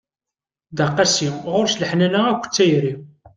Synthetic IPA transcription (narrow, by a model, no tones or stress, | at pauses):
d̪ɑqːɑsimʁʊɾsləħnænæækʷːə̥t͡sːæjɾi